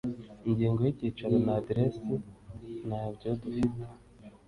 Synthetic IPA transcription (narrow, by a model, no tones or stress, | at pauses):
iɲɟiːŋɡo̞jiɟiːt͡ʃaɾanaːdiɾesinabɟo̞dufite̥